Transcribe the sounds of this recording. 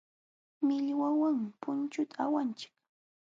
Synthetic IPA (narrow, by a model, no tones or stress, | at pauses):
mɪʎwawaŋpʊnt͡ʃʊt̪ʰaawant͡ʃɪ̥k